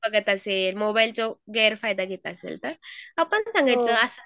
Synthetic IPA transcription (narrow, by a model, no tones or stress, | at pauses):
bəɡət̪əselmobailt͡soɡeɾfajd̪aɡʱet̪əəsḛlt̪əɾapəɳsãŋɡajt͡səəsə